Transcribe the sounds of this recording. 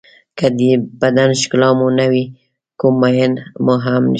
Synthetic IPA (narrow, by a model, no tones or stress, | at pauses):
kad̪əbad̪anʃklɑmunawi | kumːajanmoɦamn̰